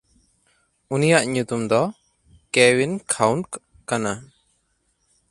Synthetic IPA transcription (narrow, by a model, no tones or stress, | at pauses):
unijaʔɲut̪umd̪ɔ | kɛwinkʰawnk | kana